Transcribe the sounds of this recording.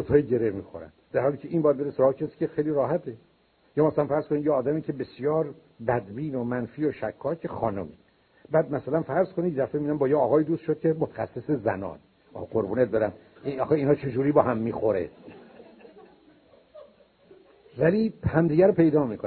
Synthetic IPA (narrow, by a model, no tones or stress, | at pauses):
ot̪ʰɒːjiɟe̞ɾehmiːxo̰ɾæ̰nd̪̥æɾhɒːlicʰeʔiːmbɒːjæd̪be̞ɾesoɾɒːecʰesiːcexejliːɾɒːɦæt̪ʰe | jɒːmæsælænfæɾz̥konid̪jeɒːd̪æmiːcʰebe̞sjɒːɾ | bæd̪biːnomænfiːoʃækʰːɒːcʰexɒːno̰mi | bæːd̪̚mæsælænfæɾzkʰonid̪jeæfemid̪æmbɒːjeːɣɒːjid̪uːst̪ʃod̪̚kʰemot̪ʰæ̥xæ̰sːesezæ̰nɒ̰ːne | qoɾbuːnet̪̚d̪ɒːɾæn | iɒxeiːnhɒːt͡ʃʰe̞d͡ʒuːɾiːbɒːhæmːiːxoɾḛ | vælihæmd̪iːɡɟæɾopʰe̞jd̪ɒːmikʰon